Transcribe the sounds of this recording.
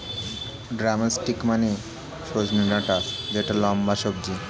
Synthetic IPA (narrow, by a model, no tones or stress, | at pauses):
ɖɾamasʈikmane | ʃod͡ʑninaʈasd͡ʑeʈalɔmbaʃob̚d͡ʑi